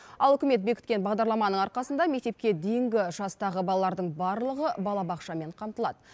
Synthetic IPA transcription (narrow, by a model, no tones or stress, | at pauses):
ɑlˠɵkʲɪme̞t̪̚be̞kʲɪ̥t̪kʲe̞nbɑʁd̪ɑɾlˠɑmɑnəɴɑɾqɑsənd̪ɑme̞k̚t̪e̞p̚kʲe̞d̪ejɪŋɡʲɪʒɑst̪ɑʁəbɑlˠɑlˠɑɾd̪əɴbɑɾlˠəʁəbɑlˠɑbɑqʃɑme̞ɴqʰɑmt̪əlˠɑd̪ə